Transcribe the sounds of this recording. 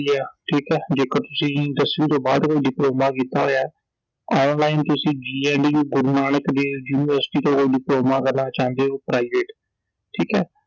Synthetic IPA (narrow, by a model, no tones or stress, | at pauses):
aːʈʰiːkɛːd͡ʒeːkət̪ʊsĩːɪd̪əsĩːt̪õːbaːd̪koːiːɖɪploːmaːkiːt̪aːɦoːjaː | ɔːnlaːɪnt̪ʊsĩːd͡ʒiːɛːɳɖiːɡʊɾnaːɳəkd̪eːjuːnɪʋəɾsʈiːt̪õːkoːiːɖɪploːmaːkəlːãːt͡ʃãːnd̪eːɦoːpɾaːɪʋeːʈ | ʈʰiːkɛː